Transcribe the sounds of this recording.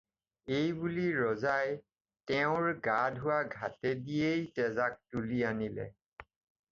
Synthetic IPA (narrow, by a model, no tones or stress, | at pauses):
ejbuliɹɔzaj | tɛʊ̃ɹɡadʱʊwaɡʱa̰tɛdiejtɛzak̚tulianilɛ̰